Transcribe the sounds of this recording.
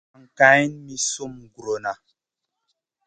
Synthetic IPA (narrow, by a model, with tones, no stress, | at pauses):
ŋ˨ka˨˦jnmi˦so˦˨m˨ɡu˨ɾo˨na˨